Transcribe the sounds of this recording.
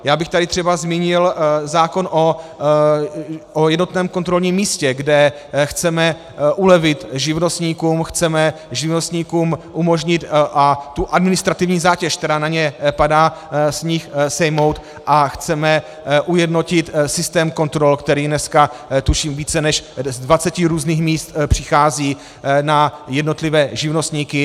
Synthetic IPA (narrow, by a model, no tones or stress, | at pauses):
jaːbɪxt̪adɪt̪r̝̥ɛbazmiːɲɪlzaːko̞nʔo | ojɛdnot̪nɛːmko̞nt̪ɾo̞lɲiːmːiːscɛɡdɛ | xt͡sɛmɛ | ʔulɛvɪt̪ʒɪvno̞st̪ɲiːkuːmxt͡sɛmɛʒɪvno̞st̪ɲiːkuːmʔumo̞ʒɲɪt̪ʔat̪uʔadmɪnɪst̪ɾat̪ɪvɲiːzaːcɛʃk̚t̪ɛɾaːnaɲɛpadaːsɲɪxsɛjmo̞wt̪ | ʔaxt͡sɛmɛ | ʔujɛdno̞cɪt̪sɪst̪ɛːmko̞nt̪ɾo̞lkt̪ɛɾiːnɛskat̪uʃiːmviːt͡sɛnɛʃzdvat͡sɛcɪɾuːzniːxmiːst̪pr̝̥ɪxaːziː | najɛdno̞t̪lɪvɛːʒɪvno̞st̪ɲiːkɪ